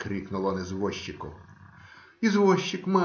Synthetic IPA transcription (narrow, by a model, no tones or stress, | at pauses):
kɾʲiknʊlˠɔnɛzʋɔʃʲt͡ʃɪkʊ̰ | izʋɔʃt͡ʃɪkma